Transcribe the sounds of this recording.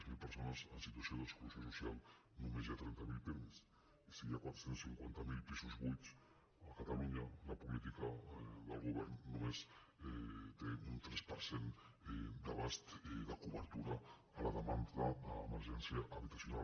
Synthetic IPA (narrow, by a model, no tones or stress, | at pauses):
zmilpəɾsonəzənsit̪uasioðəsklusjosusialˠ | numezjat̪ɾɛnt̪əmilˠpims | isiakwat̪ɾəsensiŋkwant̪əmilˠpizuzβujt͡s | əkat̪aluɲələpulit̪ikəðəlˠɣ̞uβɛɾnːumez | t̪eunt̪ɾɛspəɾsen | d̪əβast̪ðəkuβəɾt̪uɾəː | ləðəmand̪ðədəːməɾʒɛnsiəʔːβit̪asjuna